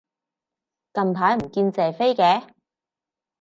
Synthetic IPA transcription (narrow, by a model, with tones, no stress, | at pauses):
kɐ˧mt̪ʰaː˨˥jm̩˨˩kiː˧nt͡sɛː˨fe˥jkɛː˨˥